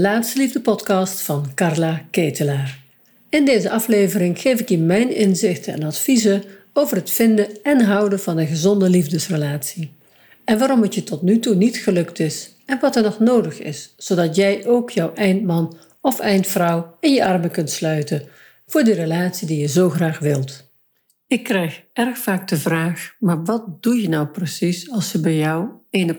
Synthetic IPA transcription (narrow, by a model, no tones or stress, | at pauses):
laːtstəlivdəpɔtkɑːstfɑnkɑrlakeːtəlaːr | ɪndeːzəʔɑfleːvəɾɪŋχeːvɪkjəmɛjnɪnzɪxtəɛ̰nɑtfizə | owvərɦətfɪndəɛnɦʌwdəv̥ɑnənχəzɔndəlivdəsrəlaːtsi | ɛnʋaːɾɔmətjətɔtnytunitχəlɵktɪs | ɛnʋɑtəɹnɔχnowdəχɪ̰ssodɑtjɛjʔowkjɔwʔɛjntmɑn | ɔfɛjntfrʌwɪnjəʔɑrməkɵntslœɥtən | v̥ʊːɹdirəlaːtsidijəzowχraːχʋɪlˠt | ɪkːrɛjxʔɛrxfaːk̚dəvraːχmaːɹʋɑt̚d̥ujənɑwprəsisɑlˠsjəbɛjjɔwenə